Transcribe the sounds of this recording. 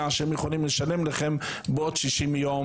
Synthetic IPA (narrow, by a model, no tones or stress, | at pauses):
aaʃemjəχolimləʃalemlaχɛmbeodʃiʃimjo